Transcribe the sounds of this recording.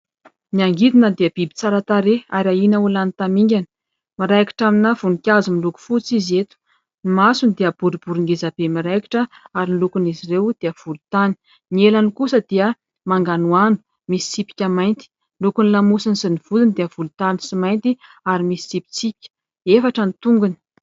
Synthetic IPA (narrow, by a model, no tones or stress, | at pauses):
niaŋɡid̪inəd̪iəb̥ibi̥t͡saɾat̪aɾeaɾainəulanit̪amiŋɡʲanə̥ | miɾajki̥ʈ͡ʂaminavunikʲazumiluku̥fut͡sizet̪u̥ | nimasunid̪eəb̥uɾib̥uɾiŋɡezab̥emiɾajki̥ʈ͡ʂəaɾinlukunizirewd̪̥eəv̥ulut̪ani̥ | nielanikusəd̪̥iə | maŋɡanuanu̥ | misi̥t͡sipi̥kʲəmajnt̪i̥ | lukunilamusinisiniv̥ud̪inid̪eəv̥ulut̪anisimajnt̪i | aɾimisi̥t͡sipi̥t͡sipi̥kʲə̥ | efaʈ͡ʂənit̪uŋɡuni̥